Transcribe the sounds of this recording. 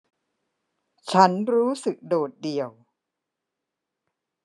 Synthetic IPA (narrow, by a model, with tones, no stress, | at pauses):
t͡ɕʰa˦˥nɾuː˦˥sɯ˨˩k̚doː˨˩t̪̚di˨˩əw